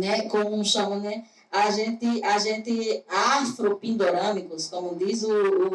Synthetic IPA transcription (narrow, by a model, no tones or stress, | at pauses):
nɛkõmʊũʃɐ̃munɛ | aʒẽt̪ɪaʒẽnt̪ɪafɾopĩnd̪oɾɐ̃mikʊskõmʊd̪izuː